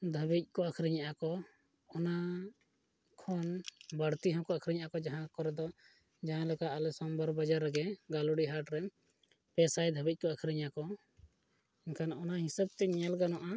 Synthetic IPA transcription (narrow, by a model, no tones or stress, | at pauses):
d̪ʱəbic̚ˀkɔakʰɾiɲaʔakɔ | ɔna | kʰɔnbəɽt̪iɦɔ̃kɔakʰɾiɲaʔakɔd͡ʒaɦãkɔɾɛd̪ɔ | d͡ʒaɦãlɛkaːlɛsɔmbəɾbad͡ʒaɾːɛɡɛɡalɔɽiɦaɾʈɾɛm | pɛsajd̪ʱəbic̚kɔakʰɾiɲakɔ | iɲkʰanɔnaɦisɛb̚t̪ɛɲɛlɡanɔʔa